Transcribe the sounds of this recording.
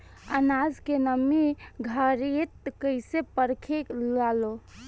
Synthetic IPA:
ə̰nad͡ʒkenəmiɡʱəɾet̪kəɪsepəɾkʰeklalo

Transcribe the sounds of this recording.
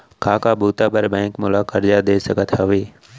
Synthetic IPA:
kʰaːkaːbuːt̪aːbəɾbɛ̃ːŋkmʊlaːkəɾd͡ʒaːd̪eːsəɡət̪ʰɦəʋiː

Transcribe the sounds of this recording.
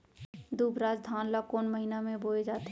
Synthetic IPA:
d̪uːbɾaːd͡ʒd̪ʱaːnlakoːnməɦinamẽboːed͡ʒaːt̪

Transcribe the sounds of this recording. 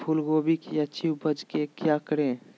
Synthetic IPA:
pʰulɡobikjat͡ʃʰiwbʱəd͡ʒkekjakəɾẽː

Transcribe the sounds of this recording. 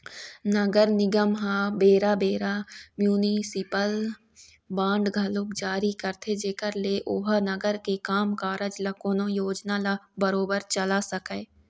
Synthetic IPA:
nəɡəɾnɪɡəmɦabeːɾabeːɾamjuːnisɪpəl | bãːɳɖɡʱɐlokd͡ʒaːɾikəɾt̪ʰed͡ʒeːkəɾleʔoːɦnəɡəɾkekaːmkaːɾəd͡ʒlɐkoːnõjoːd͡ʒnalabəɾoːbəɾt͡ʃɐlasəkɛ

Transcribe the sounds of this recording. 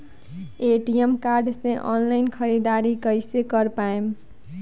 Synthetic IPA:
eʈiemkaɾɖsẽʔɔ̰nlaɪnkʰəɾid̪aɾikəjsekʌɾpaem

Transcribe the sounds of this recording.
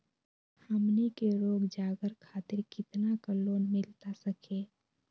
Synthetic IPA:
həmnikeɾoːɡd͡ʒaːɡəɾkʰaːt̪ɪɾkɪt̪nakaloːnmɪlt̪asəkʰeː

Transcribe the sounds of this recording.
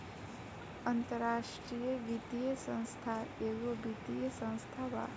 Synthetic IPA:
ɐnt̪əɾaːʂʈɾijəɡit̪ijəsə̃w̃st̪ʰaeːɡobit̪ijəsə̃w̃st̪ʰaʋa̰

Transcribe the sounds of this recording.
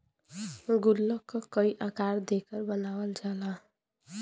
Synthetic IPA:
ɡulːʌkːʌkʌiʔakaɾd̪ekʌɾbənawəld͡ʒala

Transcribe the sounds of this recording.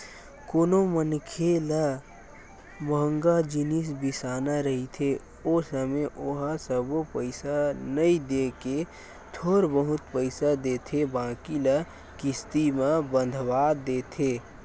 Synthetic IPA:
koːnomənkʰela | məɦə̃ŋɡad͡ʒɪnɪs̬bɪsaːnaɾəɦit̪ʰe | oːsəmeʔoːɦasəbopəɪsanəĩd̪eːke | t̪ʰoːɾbəɦʊt̪pəɪsad̪eːt̪ʰebãːkilə | kɪst̪imãbə̃nd̪ʱwaːd̪eːt̪ʰeː

